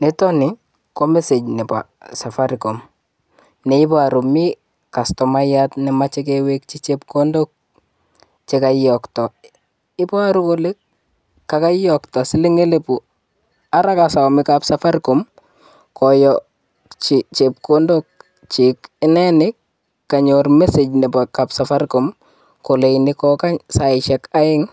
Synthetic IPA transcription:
ne˦tɔ˦nɪ˨ | ko˦mɛ˦se˨d͡ʒnɛ˨pa̰˨sa˨fa˦ɾko˨m | nɛ˨ɪ˦pɔ˦a˨ɾu˨mi˦ | ka˨stɔ˨ma˦jatnɛ˨mat͡ʃe˦k̬ewe˦k̚t͡ʃi˦t͡ʃep̚ko˦ndo˦k̚ | t͡ʃe˦ka˨ijɔktɔ˨ | ɪ˦pɔ˦a˦ɾu˦ko˦lɪ˦kː | a˨ka˦ijɔ˨ktɔ˨sɪ˦lɪ˦ŋe˦le˨pu˨ | a˦ɾakasa˨mɪkapsafa˦ɾkom | kɔjɔ | t͡ʃɪt͡ʃep̚kondok̚ | t͡ʃikɪnɛnɪkː | a˨ɲormɛse˨d͡ʒnɛ˨pɔkapsafa˦rko˨m | ko˨le˨jnɪkɔka˦ɲsaɪʃɛka˦ɪ˦ŋ

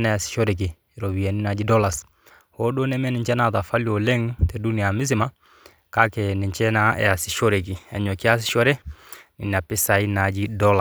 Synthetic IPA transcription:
na˨ja˨sɪ̥˨ʃo˦ɾe˨k̬i˨ | ɛ˨ɾo˨wi˨a˨ni˦na˨d͡ʒi˦dɔ˦la˨s | ho˦do˦nɛ˦mɛ˦nɪ˨ɲt͡ʃɛ˦na˦˨ta˨fa˦ljo˨lɛ˦ŋtɛ˨du˦ni˨a˨mɪ˦s̬ɪ˦ma˦ | ka˦kɛ˨nɪ˨ɲt͡ʃɛ˦na˦ɛ̰˨a˨sɪ˨ʃɔ˦ɾe˨k̬i˨ɛ̰˨ɲɔ˨kɪ˦a˦s̬ɪ̥˦ʃɔ˦ɾɛ˦nɪ̰˨n˨a˨pɪ˦sa˨i˦na˨d͡ʒi˦dɔ˦la

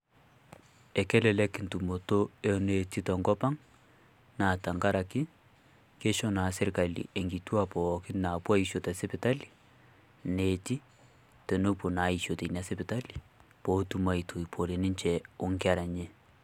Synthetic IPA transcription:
ɛ˨kɛ˦lɛ˨lɛ˦kɪ˨ntu˨mo˨to˦e˦ne˨ti˦tɔ˨ŋɡɔ˦pa˦ŋ | na˨ta˨ŋɡa˦ɾa˨kɪ˦ | ke˦ʃɔ˦na˨sɛ˦ɾka˨lḭ˨e˨ŋɡi˨tu˦a˦pɔ˨kɪ˦na˨pwa˦i˨ʃo˨ta˨sɛ˦pɪ˨ta˦li̥˨ | ne˨ti˦ | tɛ˨no˦po˨na˨˦i˨ʃo˨te˨na˨˦sɛ˦pɪ˨ta˦li˨ | pɔ˦tu˦ma˨i˨tʰo˨i˨pʰo˨le˨nɪ˦ɲt͡ʃɛ˨ʊ˦ŋka˨ɾa˨ɲe˦

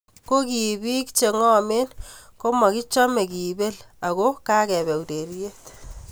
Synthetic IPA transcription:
ko˦ki˨bi˦kt͡ʃe˨ŋɔ˦me˦nko˦ma˨ki˦t͡ʃɔ˦me˨ki˨be˦la˨ɣo˦ka˦kɛ˨βɛ˨u˨te˨ɾi˦je˦t̪

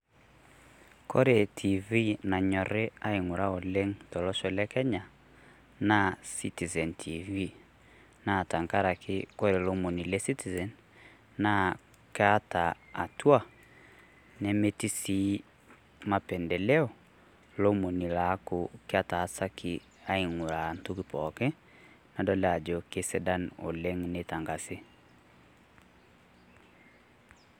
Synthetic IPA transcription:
kɔ̰˦ɾe˨tʰi˨vi˦na˨ɲɔ˨ɾe˦a˦i˨ŋu˨ɾa˦o˨le˦ŋtɔ˨lɔ˦ʃɔ˨lɛ˦kɛ˦ɲa˨ | na˦si˦ti˨zɛ˨ntʰi˨vi˦ | na˦˨ta˨ŋka˦ɾa˨kʰɪ˦kɔ˦ɾe˨lo˦mo˨ni˨lɛ˦si˦ti˨zɛ˨n | na˦ | ka˦taː˨twa˦˨ | nɛ˨me˦ti˦si˦ | ma˨pɛ˨ndɛ˨lɛ˦ɔ˨ | lo˦mo˨ni˨la˨˦koke˦a˦taː˨sa˦ki˦ | a˦i˨ŋu˨ɾa˨ntu˦ki˦pɔkɛ˦ | na˨dɔ˦la˨d͡ʒɔ˨ke˦sɛ˦da˦no̰˨lɛ˦ŋneta˨ŋɡa˨se˦

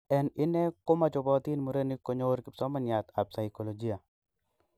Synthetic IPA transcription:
ɛ˨nɪ˦nɛ˦ko˦ma˨t͡ʃɔ˨bɔ˦t̪i˦nmu˨ɾe˦nɪ˦ko˨ɲo˦ɾkɪ˨psɔ˦ma˦nja˨t̪a˨p̚sa˨jko˨lo˨d͡ʒi˦a˨

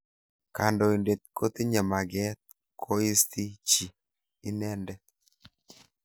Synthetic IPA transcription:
ka˨ndɔ˨i˨nde˨t̪̚ko˦t̪i˦ɲa˨ma˨ɡɛ˦t̪̚ | kʰo˦i˦st̪i˦t͡ʃiː˨˦ | nɛ˦ndɛ˦

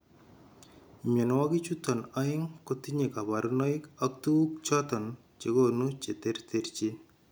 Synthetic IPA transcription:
mʲɔ˨nwa˦ɡi˦t͡ʃut̪ɔ˨na˦ɪ˦ŋkot̪iɲe˨ka˨ba˨ɾunɔ˦ɪkak̚t̪u˦k̚t͡ʃɔt̪ɔ˨n | t͡ʃe˨ɡonut͡ʃe˨t̪eɾt̪eɾt͡ʃi˦

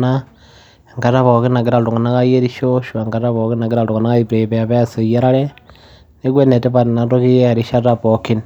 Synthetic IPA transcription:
na | e˨ŋka˨ta˦βo˨ki˦na˨ki˦ɾa˨ltu˨ŋɡa˨na˦ka˦je˦ɾi˦ʃo˦ʃu˨a˨ŋɡa˨ta˦βo˨ki˦na˨ki˦ɾa˨ltu˨ŋa˨na˦ka˦i˦pɾe˨pe˨ja˨βe˦a˦se˨je˦ɾa˦ɾe˦ | ne˦k̬we˦ne˨te˦pa˨ti˨na˨to˦ki˦jea˨ɾiʃa˦ta˦poki˦n

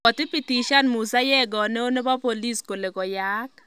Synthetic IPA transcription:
ɔ˨tɪ˦pi˨ti˨ʃa˦nmu˨sa˦jɛ˦ɡɔ˨ne˦o˦ne˦ba˦po˨li˦sko˨le˨kɔ˨ja˦k

